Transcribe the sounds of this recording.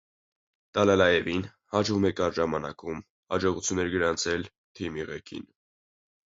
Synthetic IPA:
t̪ɑlɑlɑjɛvin | hɑd͡ʒvumɛkɑɾʒɑmɑnɑkum | hɑd͡ʒɔʁut͡sʰjunːɛɾɡəɾɑnt͡sʰɛl | t̪ʰimiʁɛkʰḭn

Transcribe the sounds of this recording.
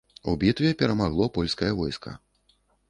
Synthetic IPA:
ubʲit̪vʲɛpʲɛɾɐmaɣlˠɔpɔlʲskɐjɐvɔjskɐ̰

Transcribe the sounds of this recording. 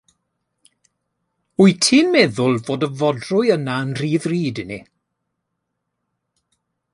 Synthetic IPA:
uɨtʰiːnmɛðʊlˠvoːdəvɔdrʊjənaənr̥iːðriːdɪni

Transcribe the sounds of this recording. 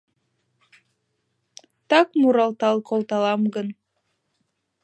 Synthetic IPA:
t̪ɑkmuɾɑlˠt̪ɑlˠkʰolˠt̪ɑlˠɑmɡɤn

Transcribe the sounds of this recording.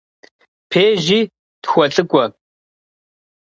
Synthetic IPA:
pʰeːʒiː | txʷɔɬʼɨkʷʼɔ

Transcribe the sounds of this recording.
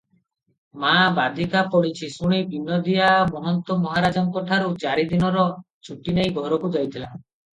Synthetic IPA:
mabad̪ʱikapɔɽit͡ʃʰisuɽ̃ibʱinɔd̪iamɔɦɔnt̪ɔmɔɦaɾad͡ʒɔŋkɔʈʰaɾut͡ʃaɾid̪inɔɾɔ | t͡ʃʰuʈinejɡʱɔɾɔkud͡ʒajt̪ʰila

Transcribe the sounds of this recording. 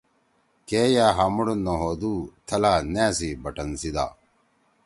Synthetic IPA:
keːjaːɦɐmuɽonːoɦod̪uːt̪ʰɐlaneːs̬ibɐʈɐnsid̪a̰ː

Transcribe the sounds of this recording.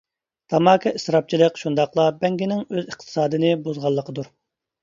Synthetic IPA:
t̪ʰɑmɑːkʰʲɑisɾɑp̚t͡ʃʰilˠəkʃund̪ɑqlˠɑbɛŋɡʲinɪŋøzəχt̪ʰɨ̥sɑːd̪ɨnɨbuzʁɑlˠːəqʰəd̪uɾ

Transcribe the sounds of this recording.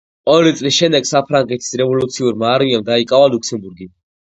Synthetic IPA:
ɔɾit̪sʼlisʃɛnd̪ɛɡsapʰɾaŋɡɛt̪ʰi̥sɾɛvɔlut̪sʰiuɾmaːɾmiamd̪aikʼavalukʰsɛmbuɾɡi

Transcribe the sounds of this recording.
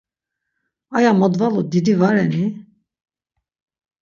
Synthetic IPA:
ajamɔd̪valud̪id̪ivaɾɛni

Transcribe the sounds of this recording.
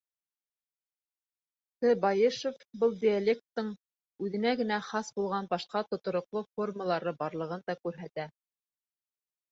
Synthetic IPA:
sɘbɑjɘʃofbɤlˠd̪ʲɪalʲek̚t̪ːɤɴ | ʉðɘ̆næɡɘ̆næχɑsbulˠʁɑnbɑʃqɑt̪ŏt̪ŏɾŏqlˠofo̞rməlˠɑɾɤbɑɾlˠɤ̆ʁɤnd̪ɑkʉɾɦæt̪æ

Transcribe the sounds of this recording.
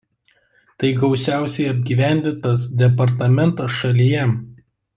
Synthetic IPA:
t̪ɐɪɡɒʊsʲæˑʊsʲɛɪɐbʲɡʲiːʋʲæˑnʲd̪ʲɪnt̪ɐsd̪ʲɛpɐɾt̪ɐmʲɛnˑt̪oʃɐlʲijɛ

